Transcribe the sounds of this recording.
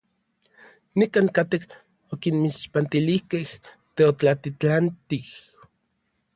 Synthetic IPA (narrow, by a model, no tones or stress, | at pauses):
nikaːŋkat̪ek | okinmiʃpant̪ilihkeh | t̪eot͡ɬat̪it͡ɬant̪ih